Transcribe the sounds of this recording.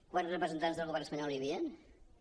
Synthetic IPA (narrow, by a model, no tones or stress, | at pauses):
kwanrəpɾəzənt̪anzðəlˠɣuβɛɾnəspəɲɔlˠjiβiən